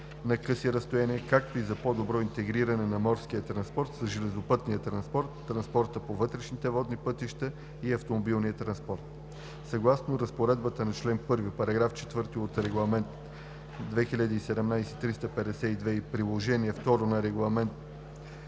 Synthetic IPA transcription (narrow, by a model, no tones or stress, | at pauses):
nɐkɤsiɾɐst̪ojaniɛkak̚t̪oizɐpod̪obɾɔint̪ɛɡɾiɾɐnɛnɐmɔɾskijət̪ɾɐnspɔɾt̪sɐʒɛlɛzopɤt̪nijət̪ɾɐnspɔɾt̪ːɾɐnspɔɾt̪əpovɤt̪ɾɛʃnit̪ɛvɔd̪nipɤt̪iʃt̪ə | iɐft̪omobilˠnijət̪ɾɐnspɔɾt̪̚ | sɐɡlˠasnoɾɐspoɾɛd̪bət̪ənɐt͡ʃlɛnpɤɾvipɐɾɐɡɾaft͡ʃɛ̥t̪vɤɾt̪iot̪ɾɛɡlˠɐmɛnt̪ | d̪vɛxilʲad̪iːsɛd̪ɛmnajsɛt̪ɾist̪əpɛd̪ɛsɛid̪vɛipɾilˠoʒɛniɛft̪ɔɾonɐɾɛɡlˠɐmɛnt̪